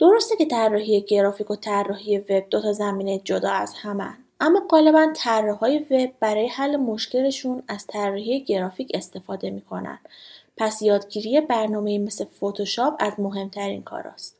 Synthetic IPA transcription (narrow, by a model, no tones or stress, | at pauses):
d̪̥o̞ɾost̪ecʰe̞t̪ʰærːɒɦije̞ɡe̞ɾɒːfiko̞t̪ʰærːɒːɦije̞ve̞b̚d̪o̞t̪ʰɒzæmiːne̞d͡ʒod̪ɒːæz̥hæmæ̰ndʔæmːɒːɢɒːle̞bænt̪ʰærːehɒːje̞ve̞b̚ːæɾɒːje̞hælːemo̞ʃce̞le̞ʃunæz̥t̪ʰærːɒɦije̞ɟe̞ɾɒːfiːcʰe̞st̪e̞fɒːd̪e̞miːkʰo̞næ̰nd̪̥pʰæsjɒːd̪ɡiːɾije̞bæɾnɒːme̞iːme̞slefot̪ʰoʃɒːpʰæzmo̞ɦe̞mt̪ʰæɾḭːnkʰɒ̰ɾɒ̰st̪